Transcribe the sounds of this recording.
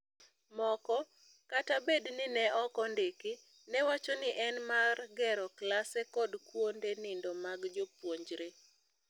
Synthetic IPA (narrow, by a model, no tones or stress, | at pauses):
mɔkɔ | katabednɪnɛɔkɔndeki | nɛwat͡ʃɔnɪʔɛnmarɡɛɾɔklasɛkɔdkwondenɪndɔmaɡd͡ʒopwoɲd͡ʒɾe